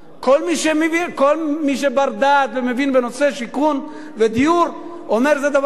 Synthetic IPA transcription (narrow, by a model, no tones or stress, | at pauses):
kolmiʃemevikolmiʃ̬ebaʁd̪aːt̪vemevinbe̞no̞se̞ʃikun | ved̪iuɾ | omeʁzed̪av